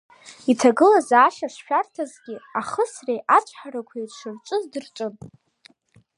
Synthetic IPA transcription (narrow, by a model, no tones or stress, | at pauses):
itʰaɡɨlazaːʃaʂʃᶣartʰazɡʲɪaχəsrejʔat͡ʃʷʰʼħaɾakʷʰairʂɨrt͡ʃʷʼɨzdɨrt͡ʃʷʼɨn